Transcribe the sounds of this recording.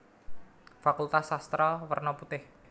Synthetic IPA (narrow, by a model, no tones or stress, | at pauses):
fakult̪asast̪ɾawərnɔput̪ɪh